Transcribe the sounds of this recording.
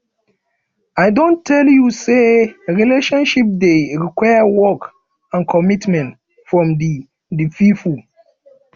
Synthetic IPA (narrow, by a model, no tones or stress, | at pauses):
aɪdõntʰɛljuseɹileʃɔ̃nʃip̚deɹikwajəwɔk | ãnkʰɔmitmɛ̃nt | fɹɔ̃mdi | dififu